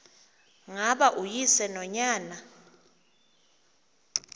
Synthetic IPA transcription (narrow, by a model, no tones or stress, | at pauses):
ŋaɓaʔujisɛnɔɲaːna